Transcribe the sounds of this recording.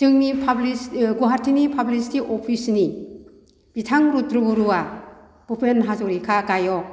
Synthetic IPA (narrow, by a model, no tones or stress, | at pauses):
tɯŋnipʰablisɡuɦaɾtʰinipʰablisi̥tiʔɔpʰisni | b̥itʰaŋɾutɾubuɾuwa | b̥ɯpʰenɦazɔɾikʰakajɔ